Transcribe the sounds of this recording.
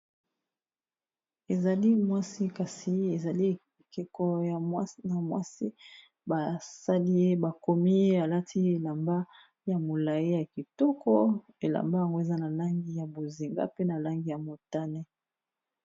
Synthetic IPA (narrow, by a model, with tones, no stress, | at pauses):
e˨za˨li˦mwa˦si˦ka˨si˨e˨za˨li˦˨ke˨kɔ˨ja˨˦na˨mwa̰˦si˦ | ba˨sa˦li˦je˦ba˨ko˨mi˦e˦a˨la˦tʰi˦e˨la˨mba˦ | ja˨mo˨la˨ji˦ja˨ki˨tɔ˦kɔ˦ | e˨la̰˨mba˦ja˨ŋɡo˦e˨za˦na˨la˦ŋɡi˦ja˨bo˨zi˨ŋɡa̰˦pe˦na˨la˦ŋɡi˦ja˨mo˨ta˦nɛ˦